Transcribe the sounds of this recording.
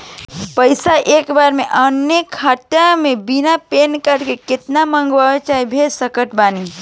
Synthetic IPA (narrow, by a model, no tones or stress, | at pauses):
pəɪsaʔeːkbaːɾmeʔənekʰːaʈamẽbinapeːnkəɾkekɪt̪namə̃ŋɡʋat͡ʃaːibʱesəkəʈbaːni